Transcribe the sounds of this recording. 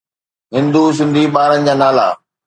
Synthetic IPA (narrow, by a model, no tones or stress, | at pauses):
ɦɪ̃nd̪us̬ɪ̃nd̪ʱiːɓaːɾənɪ̆d͡ʑaːnaːla̰ː